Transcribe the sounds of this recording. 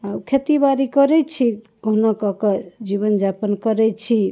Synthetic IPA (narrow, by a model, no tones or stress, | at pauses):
aukʰet̪ibaɾikəɾɛt͡ʃʰi | kɔɦnɔkɔkɔd͡ʒiβənd͡ʒapənkəɾɛt͡ʃʰi